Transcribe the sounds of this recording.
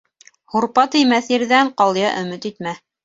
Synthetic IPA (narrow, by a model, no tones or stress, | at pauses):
huɾpɑt̪ɘ̆jmæθjɘ̆ɾðæɴqɑlˠjɑʔɵ̆mɘt̪it̪mæ